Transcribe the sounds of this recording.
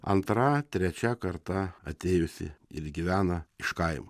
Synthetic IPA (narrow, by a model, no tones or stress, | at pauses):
ɐ̰nt̪ɾɐt̪ʲɾʲɛt͡ʃʲækɐɾt̪ɐɐt̪ʲeːjʊsʲɪ̰ɪ̰ɾɡʲiʋʲæːnɐɪʃkɐɪmʊ